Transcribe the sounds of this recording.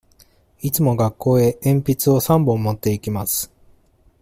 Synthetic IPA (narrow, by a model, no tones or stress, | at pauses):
it͡sɨmo̞ɡakːo̞ːe̞ʔẽmpʲit͡sɨo̞sãmbõmːo̞t̪ːe̞ikʲimasɨ̥